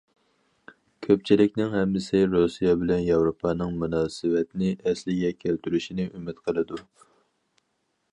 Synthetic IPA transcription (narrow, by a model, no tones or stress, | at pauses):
kʲʰøp̚t͡ʃʰilɪkʲnɪŋhɛmd̪ɪsɪɾosijɑbɪlɛnjɑwɾopʰɑːnɨŋmunɑːsɨvɛt̪ʰɪnɪʔɛslɪɡʲɛkʲʰælt̪ʰyɾyʃinɪʔymɪt̪qʰəlˠɨd̪u